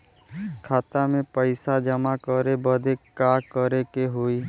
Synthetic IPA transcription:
kʰaːt̪amẽpəɪsad͡ʒəmakəɾebəd̪ekaːkəɾekeɦoːiː

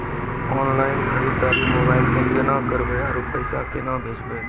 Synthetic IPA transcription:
ɔːnlaːɪnəɾiʈ̪aːɾikmoːbaːɪlsə̃ŋkʰenakəɾbeaɾupəjsakenabʱeːd͡ʒbe

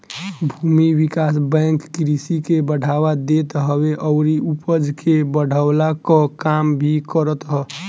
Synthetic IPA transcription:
bʱumiwikasbɛŋkːɾisikebəɽ̤ʱawad̪et̪ɦəweʔɔʊɾiupəd͡ʒʱkebəɽ̤ʱaʊlakɔ̃kambʱikəɾət̪ɦɔ

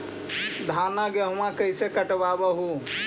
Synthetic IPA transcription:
d̪ʱaːnaɡeɦmãkəɪsekəʈʋaːbəɦu

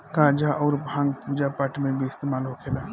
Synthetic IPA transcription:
kãːd͡ʒaʔɔːɾbɦãŋɡpuːd͡ʒapaʈimẽbʱiɪst̪eːmaːlɦokʰeːlaː

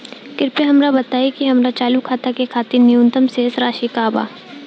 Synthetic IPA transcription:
kɪɾpeɦɐmɾabɐt̪aːikiɦɐmɾat͡ʃaːlukʰaːt̪akekʰaːt̪iɾnijʊ̃nt̪əmsesɾaːʃikaːba̰ː

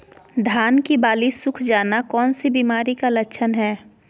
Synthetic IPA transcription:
d̪ʱaːnkibaːlisʊkʰd͡ʒaːnakɔːnsibiːmaːɾikalɐkːt͡ʃʰənɦɛː

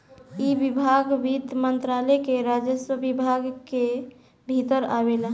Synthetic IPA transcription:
ibibʱaɡʋid̪mənt̪ɾalekeɾad͡ʒəsəbibʱaɡke | bʱit̪əɾabela

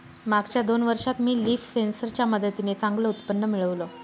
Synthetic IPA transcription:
maɡt͡ɕjad̪onʋəɾʂat̪miːliːfsensəɾt͡ɕjaməd̪ət̪inet͡sãŋɡləut̪pənːəmiɭəʋlo

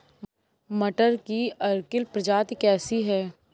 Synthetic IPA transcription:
mɐʈəɾkiɐɾkɪlpɾəd͡ʒaːt̪kɛːsiɦɛː

